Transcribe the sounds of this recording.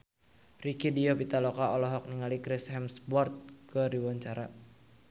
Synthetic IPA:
rikidiopit̪alɔkaɔlɔɦɔk̚niŋalikɾɪshɛmsbɔrt̪̚kəɾiwaɲt͡ʃaɾa

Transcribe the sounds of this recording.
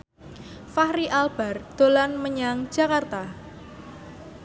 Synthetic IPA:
fahɾiʔalb̥a̤rd̪̥o̤lanməɲaŋd͡ʒ̥a̤kart̪a

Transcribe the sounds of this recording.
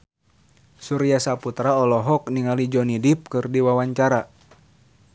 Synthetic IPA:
suɾijasaput̪ɾaɔlɔɦɔk̚niŋalid͡ʒɔnidip̚kɨrdiwawaɲt͡ʃaɾa

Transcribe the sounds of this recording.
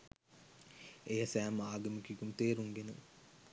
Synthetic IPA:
ejasæːmaːɡɐmikikumt̪eːɾuŋɡenə

